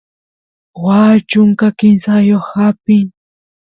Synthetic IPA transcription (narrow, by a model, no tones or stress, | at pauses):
wat͡ʃʊŋkakɪnsajoχhapɪŋ